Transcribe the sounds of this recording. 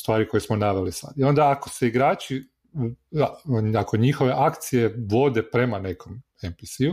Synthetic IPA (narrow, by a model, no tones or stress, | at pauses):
st̪ʋaːɾiko̞jesmonaʋe̞lisa̰d̪io̞nd̪aːko̞se̞iɡɾaːt͡ʃi | ako̞ɲixo̞ʋe̞ʔakt̪sije̞ʋo̞d̪e̞pɾe̞mane̞kʰo̞m | empisiu